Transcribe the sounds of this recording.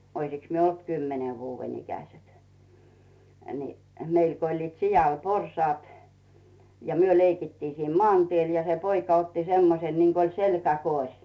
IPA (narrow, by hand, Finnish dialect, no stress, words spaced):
oisiks myø olt kymːene ʋuːʋen ikæset ni meil ko olʲliːt sijɑl porsŏɑˑt jɑ myø leikitːiː siːn mŏɑˑntiel jɑ se poikɑ otːi semːosen niŋk olʲ selkækorʲ